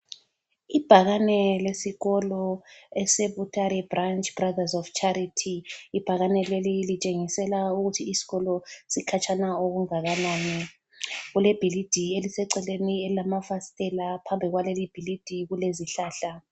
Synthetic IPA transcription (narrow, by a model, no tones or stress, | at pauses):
ib̥ʱaɣanɛlesiɣɔlɔɛseβutʰaɾɛbrant͡ʃʼb̥raðazɔft͡ʃʰʼaɾitʰiib̥ʱaɣanɛlelilit͡ʃʼeŋisɛlauɣutʰiːsi̥ɣɔlɔsikʰat͡ʃʰanaoɣuŋaɣanaːni | ɣulɛb̥ʱilid̥ʱielisɛǀɛlenielilamafastʼɛlapʰambʱiɣwalelib̥ʱilid̥ʱiɣuleziɬaːɬa